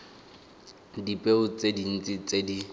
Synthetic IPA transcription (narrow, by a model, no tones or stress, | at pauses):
dipʼeʊt͡sʼedin̩t͡sʼɪt͡sedi